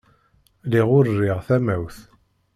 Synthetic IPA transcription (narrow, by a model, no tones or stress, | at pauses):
liʁʊrːɪʁθæmæwθ